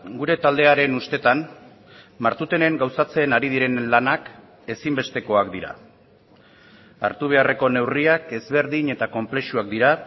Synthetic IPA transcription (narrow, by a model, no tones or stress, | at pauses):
ɡuɾe̞t̪ald̪e̞aɾe̞nust̪e̞t̪an | maɾt̪ut̪e̞ne̞ŋɡawsat͡se̞naɾið̞iɾe̞nlanak | e̞simbe̞st̪e̞ko̞akd̪iɾa̰ | a̰ɾt̪uβ̞e̞are̞ko̞ne̞wriake̞zβe̞ɾðiɲe̞t̪ako̞mple̞ʃuak̚d̪iɾa